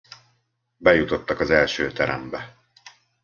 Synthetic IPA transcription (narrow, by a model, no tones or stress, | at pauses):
bɛjut̪o̞t̪ːɒkɒzɛlʃøːt̪ɛɾɛ̰mbɛ